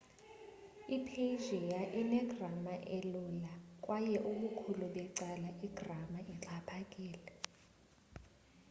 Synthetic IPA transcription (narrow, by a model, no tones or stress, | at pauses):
ipʰeʒɛjaʔinɛɡramaʔɛlulak̬ʼwajɛʔuɓukʰuluɓɛǀalaʔiɡ̥ʱramaʔiǁʰapʰakʼiːlɛ